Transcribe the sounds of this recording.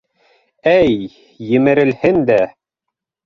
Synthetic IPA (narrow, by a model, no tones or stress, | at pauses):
æj | jɘ̆mɘ̆ɾɘ̆lhɘnd̪æ